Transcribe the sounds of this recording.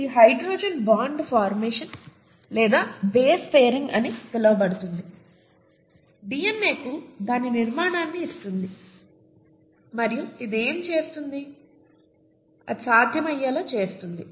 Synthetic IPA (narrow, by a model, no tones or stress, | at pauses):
iɦɐjɖɾoːd͡ʒɐnbaːɳɖpʰaːɾmeːʂɐn | lɛːd̪aːbeːspeːɾiŋɡɐnit̪ɛlɐʋɐbɐɽut̪und̪i | biːenːeːkud̪aːniniɾmaːɳaːnːiːst̪und̪i | mɐɾijuid̪e̞ːmt͡ʃe̞ːst̪und̪i | ɐ̰saːd̪ʱjɐmɐjːaːlaːt͡ʃe̞ːst̪und̪i